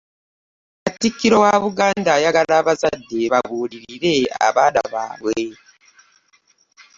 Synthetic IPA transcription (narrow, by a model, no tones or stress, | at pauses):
atːikːiɾo̞waβuɡaːndajaɡaɾaːβazadːe̞βaβuːɾiɾiɾe̞a̰βaːna̰βa̰ːβwe